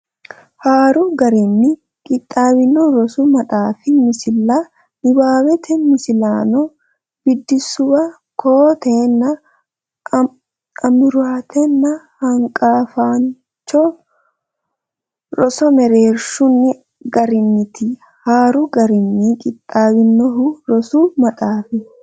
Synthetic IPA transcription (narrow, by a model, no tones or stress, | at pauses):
haːɾʊɡɐɾɪnːɪ | kʼɪt̪ʼːaːbɪnːɔɾɔsʊmɐt̪ʼaːfɪmɪsɪlːa | nɪbaːwɛt̪ʰɛmɪsɪlaːnɔ | b̥ɪd̪ːɪsʊbɐ | koːt̪ɛnːɐ | ɐmʊɾaːt̪ɛnːɐ | hɐŋkʼaːfaːn | t͡ʃːɔ | ɾɔsɔmɛɾeːɾʃʊnːɪ | ɡɐɾɪnːɪt̪ʰɪ | haːɾʊɡɐɾɪnːikʼɪt̪ʼːaːbɪnːɔɦʊɾɔsumɐt̪ʼaːfɪ